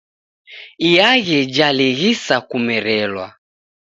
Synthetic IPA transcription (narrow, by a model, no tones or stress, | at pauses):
ijaɣɛd͡ʒaliɣisakumɛɾɛlwa̰